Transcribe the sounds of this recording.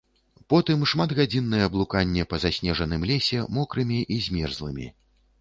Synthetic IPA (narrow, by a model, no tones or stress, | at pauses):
pɔt̪ɨmʂmad̪ɣad͡zʲinːɨjɛɐblˠukanʲːɛpɐzasʲnʲɛʐɐnɨmlʲɛsʲɛmɔkɾɨmʲiʔizʲmʲɛrzlˠɨmʲḭ